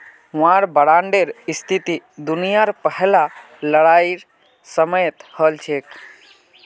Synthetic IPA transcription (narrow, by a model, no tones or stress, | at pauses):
ɦʊ̃ãɾbəɽaɳɖeɾist̪ʰit̪id̪unijaɾpəɦla | ləɽaiɾ | səməjt̪həlt͡ʃʰek